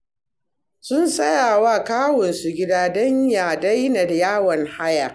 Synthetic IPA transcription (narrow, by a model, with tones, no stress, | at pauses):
sʊ˦nsʼɐ˦jaː˨waː˦˨kaː˦wɔ˨nsu˨ɡʲɪ˦daː˦dɐ˦ɲjaː˨da˦jna˨da˨jaː˦wɐ˨ŋha˦ja˨